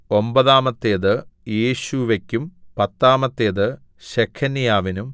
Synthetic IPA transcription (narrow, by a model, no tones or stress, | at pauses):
o̞mbɐðaːmɐt̪ːeːðɨjeːɕuʋɐkʲːumpɐt̪ːaːmɐt̪ːeːðɨ | ɕekʰːɐnjaːʋinum